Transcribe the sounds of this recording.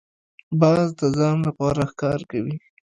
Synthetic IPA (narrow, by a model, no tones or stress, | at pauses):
bɑzd̪əzɑnlapɑɾaxkɑɾkawi